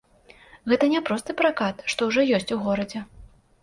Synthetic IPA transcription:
ɣɛt̪ɐnʲɛpɾɔst̪ɨpɾakat̪ʂt̪ɔwʐɔjɔsʲt͡sʲuɣɔɾɐd͡zʲɛ

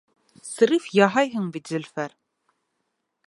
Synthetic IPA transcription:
sɤ̆ɾifjɑɦɑjɦɤɴbit̪zɘ̆lʲfæɾ

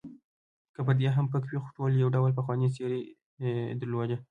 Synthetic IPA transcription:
kəp̬əɾd̪jeɦampəkwixo̥ʈoljawɖawlpaxwɑneseɾi | d̪əɾlwod͡ʒa

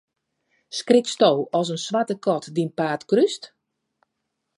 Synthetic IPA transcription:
skrɪkstowɔsənsʋatəkʰɔtdinpaːtkryst

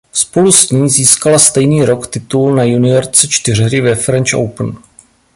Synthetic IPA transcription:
spo̞lusɲiːziːskalast̪ɛjniːɾo̞kt̪ɪt̪ulnajunɪoɾt͡sɛt͡ʃt̪ɪr̝ɦɾɪvɛfɾɛnt͡ʃʔo̰wpn

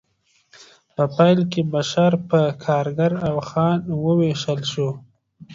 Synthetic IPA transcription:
pəpajlkebaʃaɾpəkʰɑːɾɡaɾawxɑnwəweʃəlʃo

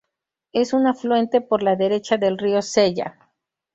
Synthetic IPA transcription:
e̞sunafluwe̞nt̪e̞po̞ɾlaðe̞ɾe̞t͡ʃaðe̞lrio̞se̞ʝa̰

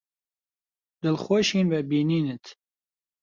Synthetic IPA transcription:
d̪ɨlxoːʃiːnbɛbiːniːnɨt̪

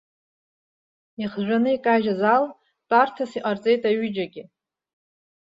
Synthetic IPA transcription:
iχʒʷᶣanɨikʼaʒazal | tʼartʰasiqʼart͡sʼe̞jtʼaɥʏd͡ʒaɡʲɪ

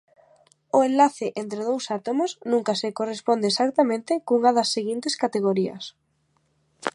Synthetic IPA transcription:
oenlaθɪʔent̪ɾeð̞owsat̪omosnũŋkasekorespond̪esakt̪amẽnt̪ɪkuŋaðɐsːeɣint̪eskat̪eɣ̞oɾiɐ̰s

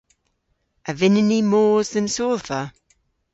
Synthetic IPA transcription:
əvɪnɪnimoːzðənsoːlˠθə

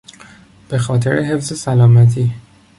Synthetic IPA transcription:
b̥e̞xɒːt̪ʰe̞ɾeɦe̞fze̞sælɒːmæt̪ʰiː

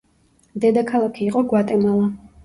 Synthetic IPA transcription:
d̪ɛd̪akʰalˠakʰiːqʼɔɡwat̪ʼɛmalˠa

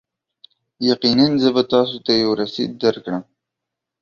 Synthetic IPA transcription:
jaqinanzəbat̪ɑsot̪ajawɾasḭd̪̚ːaɾkɽəm

